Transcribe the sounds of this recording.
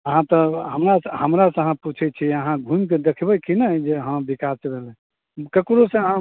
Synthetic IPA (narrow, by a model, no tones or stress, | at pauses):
əɦãt̪ɔɦəmɾashəmɾasəɦãput͡ʃʰɛt͡ʃʰiəɦãɡʱumked̪ekʰbɛkʰinəd͡ʒeɦə̃bikasbelɛ̃ | kəkɾosə̃əɦã